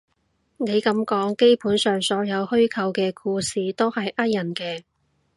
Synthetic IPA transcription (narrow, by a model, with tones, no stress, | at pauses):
ne˨˧jkɐ˨˥mkɔː˨˥ŋke˥jpuː˨˥nsœː˨˩ŋsɔː˨˥jɐ˨˧whɵ˥ɥkʰɐ˨˧wkɛː˧kʰuː˧siː˨˩t̪o˥whɐ˨jʔɐ˥t̚jɐ˨˩nkɛː˧